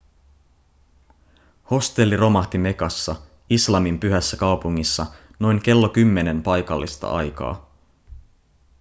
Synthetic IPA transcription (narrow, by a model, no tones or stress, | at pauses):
ho̞st̪e̞lːiro̞mɑht̪ime̞kɑsːɑ | islɑmimpyɦæsːækɑwpuŋːisːɑno̞jŋk̟e̞lːo̞kymːe̞ne̞mpɑjkɑlːist̪ɑ̰ʔɑjkɑ̰ː